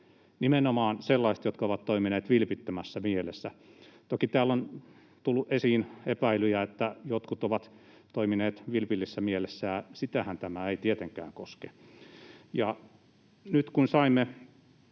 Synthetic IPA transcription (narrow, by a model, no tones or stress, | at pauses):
nimenomɑːnselːɑist̪jot̪kɑoʋɑt̪toimineːt̪ʋilpit̪ːømæsːæmielesːæt̪okit̪æːlːon | t̪ulːuʔʔesiːnepæilyjæet̪ːæjot̪kut̪oʋɑt̪ | t̪oimineːt̪ʋilpilːisːæmielesːæjɑsit̪æhænt̪æmæeit̪iet̪eŋkæ̰ːŋkoske | jɑ | nyt̪kunsɑimːe